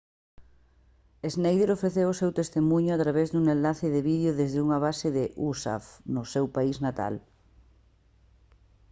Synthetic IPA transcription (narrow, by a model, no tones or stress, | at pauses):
eznejðeɾofɾeθewʊsewt̪est̪emũɲʊat̪ɾaβezd̪uŋenlaθɪðɪβiðjoðezðɪuŋaβ̞asɪðɪʔusa̰fnʊsewpaiznat̪a̰l